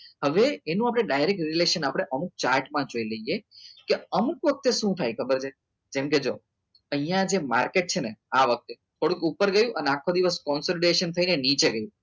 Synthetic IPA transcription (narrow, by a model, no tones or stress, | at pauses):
həʋeːnũapɽ̃eɖajɾek̚ʈɾileʃənapəɽ̃eʔəmuk̚t͡ʃaɾʈmãd͡ʒoiləijekeəmukʋək̚t̪eʃũt̪ʰajkʰəbəɾt͡ʃʰe | d͡ʒemked͡ʒo | əɦĩjãd͡ʒema̰ɾkeʈ̚t͡ʃʰeneaʋək̚t̪et̪ʰoɽũkupəɾɡəjũʔəneakʰːod̪iʋəskɔnsoliɖeʃənt̪ʰəinenit͡ʃeɡəjũ